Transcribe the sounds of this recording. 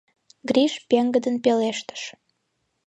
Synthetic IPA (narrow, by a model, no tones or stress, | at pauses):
ɡriʃpeŋɡəd̪ənpeleʃt̪ə̥ʃ